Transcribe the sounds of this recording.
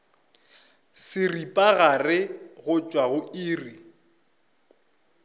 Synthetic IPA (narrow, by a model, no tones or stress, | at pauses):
sɪripʼaɣarɪɣʊt͡ʃʼwaɣʊiːri